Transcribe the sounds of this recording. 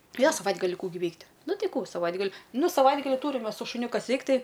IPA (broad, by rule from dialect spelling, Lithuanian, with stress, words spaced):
ˈjoː sɐˈʋɐɪdɡɐlʲɪ ˈkuː ɡʲɪ ˈʋʲɛɪktʲ ˈnʊ ˈtɐɪ ˈkuː sɐˈʋɐɪdɡɐlʲɪ ˈnuː sɐˈʋɐɪdɡɐlʲɪ ˈtuːrʲɪm ˈmʲɛs sʊ ʃʊˈnʲʊ ˈkɐs ˈʋʲɛɪkt ˈtɐɪ